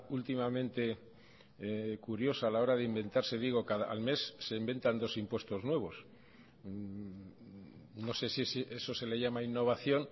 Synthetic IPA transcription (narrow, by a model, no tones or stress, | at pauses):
ult̪imamẽnt̪e̞ | kuɾjo̞saːlao̞ɾaðeimbe̞nt̪aɾse̞ðiɣ̞o̞kaðaa̰lme̞sːe̞imbe̞nt̪and̪o̞simpwe̞st̪o̞znwe̞β̞o̞s | no̞se̞sisʔeso̞se̞le̞ʝamainːo̞β̞aθjo̞n